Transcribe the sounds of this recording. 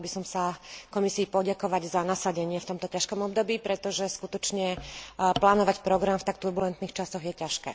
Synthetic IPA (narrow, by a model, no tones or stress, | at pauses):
bisɔmsakɔmisiːpɔɟakɔʋaɟzanasaɟɛɲɪɛft̪ɔmt̪ɔcaʃkɔmɔbd̪ɔbiːpɾɛt̪ɔʒɛskut̪ɔt͡ʃɲɛplaːnɔʋacpɾɔɡɾamft̪ak̚t̪uɾbulɛnt̪niːxt͡ʃasɔɣjɛcaʃkɛ̰ː